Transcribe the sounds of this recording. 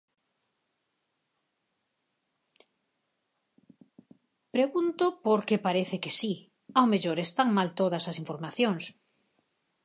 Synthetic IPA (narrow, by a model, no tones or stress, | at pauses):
pɾeɣunt̪ʊpoɾkepaɾeθɪkesi | awmeʎoɾest̪aŋmalt̪oðɐsɐsiɱfoɾmaθjoŋs